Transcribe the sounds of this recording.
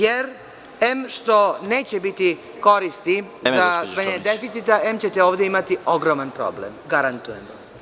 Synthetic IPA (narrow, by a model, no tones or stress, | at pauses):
je̞ɾ | emʃt̪o̞ne̞ːt͡ɕebit̪i | ko̞ɾist̪izasmaɲeɲed̪e̞fit̪sit̪aʔe̞mt͡ɕe̞t̪eoːʋd̪jeimat̪io̞ɡɾomanpɾo̞̰blḛmɡaɾant̪ujemo̰